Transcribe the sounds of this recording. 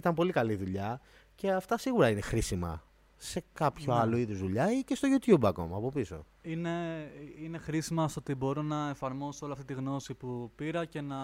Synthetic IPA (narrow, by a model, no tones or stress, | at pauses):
it̪ɐmpo̞likɐliðuʎɐ | ce̞ɐft̪ɐsiɣuɾɐine̞xɾisimɐ̰ | se̞kɐpçoɐlo̞iðozðuʎɐicest̪o̞ʝut̪jubɐko̞̰mɐːpo̞piso̞̰ | ine̞ine̞xɾisimɐst̪ot̪ibo̞ɾonɐefɐɾmo̞soliɐft̪it̪iɣno̞sipupiɾɐce̞nɐ